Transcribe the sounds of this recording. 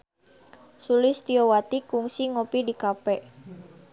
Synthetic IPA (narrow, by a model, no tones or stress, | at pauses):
sulɪst̪iowat̪ikuŋsiŋopidikapɛʔ